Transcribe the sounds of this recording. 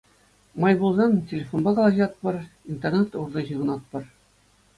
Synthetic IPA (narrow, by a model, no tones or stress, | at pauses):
mɑjbulˠzɑntʲelʲefonbɑkɑlˠɑʑiɑt̪̚pɤ̆rint̪ernet̪urd̪ɤʑɯ̆ʁɤ̆nɑt̪̚pɤ̆r